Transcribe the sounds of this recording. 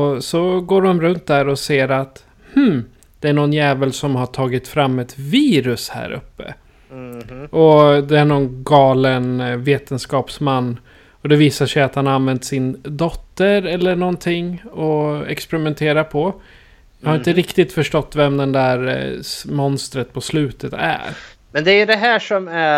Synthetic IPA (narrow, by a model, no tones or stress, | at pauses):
ɔsɔɡoːɾɔmɾɵnt̪̚d̪æɾɔseːɾat̪ | hm̩ | d̪ɛæɳɔnjɛːvəlsɔmhaʈʰɑːɡɪt̪fɾamːɛt̪viːɾɵshæ̰ːɾɵ̰pːə̰ | ɔd̪ɛæɳɔnɡɑːlənveːt̪ənskɑːpsmanː | ɔd̪ɛviːsaʂɛjat̪hanaanvɛnt̪sɪnd̪ɔt̪ːəɾɛlːəɳɔnt̪ʰɪŋːɔɛ̰kspɛɾɪmɛnt̪ʰeːɾapʰɔ | jɑhaɾɪnt̪əɾɪkt̪ɪt̪fœʂʈɔt̪ːvɛmd̪ɛnd̪æːɾmɔnst̪ɾət̪̚pʰɔslʉ̟ːt̪ʰət̪æ̰ɾ | mɛnd̪ɛæjɵd̪ɛɦæːʂɔmæ